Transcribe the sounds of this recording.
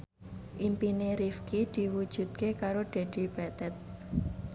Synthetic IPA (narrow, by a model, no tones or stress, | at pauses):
ʔimpineɾifkid̪̥i̤wud̥ʒ̥ṳd̪̚kekaɾod̪̥a̤d̪̥i̤b̥ɛt̪ɛt̪̚